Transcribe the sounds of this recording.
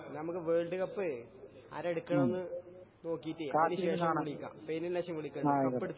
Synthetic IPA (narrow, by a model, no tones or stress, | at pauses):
nɐmukːɨʋeːɭɖɨɣɐpːɨ | ɐ̰ɾeɽukːɐɳɐmenːɨno̞ːkːijit̪ːijɐniɕeːʂɐmkiɭikʲːa̰ːpenːillɐɕɐmʋiɭikʲːɐɳɐpːeɽut̪ː